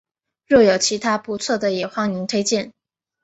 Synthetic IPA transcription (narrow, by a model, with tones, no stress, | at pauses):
ɻɔ˥˩jo˨˩ʊt͡ɕʰi˧˥t̪ʰa˥pu˧˥t͡sʰwɔ˥˩d̪ə˩jɛ˨˩xwɑ˥˩ŋni˧˥ŋt̪ʰe˥ɪt͡ɕjɛ˥˩n